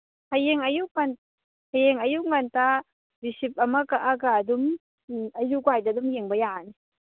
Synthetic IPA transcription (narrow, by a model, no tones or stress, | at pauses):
hʰajeŋajuʔŋan | hʰajeŋajuʔ̚ŋant̪a | ɾisip̚ʔamakaʔakad̪um | ajuɡwajd̪ad̪umjeŋbajani